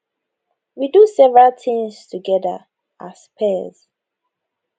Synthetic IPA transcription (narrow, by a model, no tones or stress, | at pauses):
widusɛvɹaltʰĩŋstʰuɡɛdə̰ | ʔaspʰɛz̥